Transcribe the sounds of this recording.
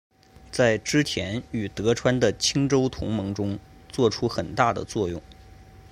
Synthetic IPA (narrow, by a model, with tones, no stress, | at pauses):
t͡sa˥˩ɪʈ͡ʂɻ̩˥t͡ɕʰjɛ˧˥ny˨˩t̪ɤ˧˥ʈ͡ʂʰwa˥nd̪ə˨t͡ɕʰi˥ŋʈ͡ʂo˥ʊt̪ʰʊ̰˧˥ŋmɤ˧˥ŋʈ͡ʂʊ˥ŋt͡swɔ˥˩ʈ͡ʂʰu˥xə˨˩nt̪a˥˩d̪ə̰˩t͡swɔ˥˧jʊ̰˥˩ŋ